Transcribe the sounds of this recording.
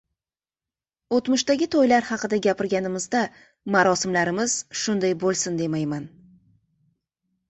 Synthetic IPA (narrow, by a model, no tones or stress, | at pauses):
ot̪mʊʃt̪aɡʲɪt̪ʰojlaɾhɑqɨd̪aɡʲapʰɪɾɡʲanɪmɪzd̪a | maɾɒsɪmlaɾɪmɪz̥ʃʊnd̪ajbolˠsɪnd̪e̞majman